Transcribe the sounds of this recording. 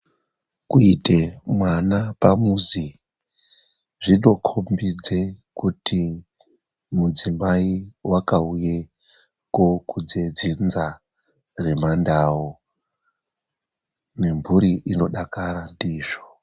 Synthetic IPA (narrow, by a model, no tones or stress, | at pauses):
kuite̞mwanapamuzi | ʐino̞kʰombid͡zekuti | mud͡zimaiwakauje | ko̞kud͡zed͡zinza | re̞mandao | ne̞mbʱuɾiʔino̞ɗakaɾandiːʐo